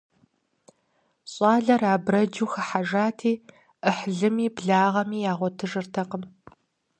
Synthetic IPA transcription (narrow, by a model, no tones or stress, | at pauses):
ɕʼɑːɮɐraːbrɐd͡ʒuːxɐħaʒaːtʰiː | ʔəħɮɨmiːbɮaːʁɐmiːjaːʁʷɔtʰɨʒɨrtʰɐqəm